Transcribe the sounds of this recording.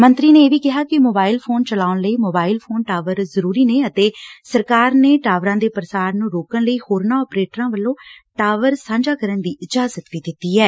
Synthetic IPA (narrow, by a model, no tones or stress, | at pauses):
mənt̪ɾiːnẽːeːʋiːkɪɦaːkɪmoːbaːɪlpʰoːnt͡ʃəlaːʊnləiːmoːbaːɪlpʰoːnʈaːʋəɾzəɾuːɾiːneːət̪eːsəɾkaːɾneːʈaːʋɾãːd̪eːpəɾsaːɾnũːɾoːkənləiːhoːɾnãːɔːpɾeːʈɾãːʋəlːõːʈaːʋəɾsãːɲd͡ʒaːkəɾənd̪iːʔɪd͡ʒaːzət̪ʋiːd̪ɪt̪ːiːɛː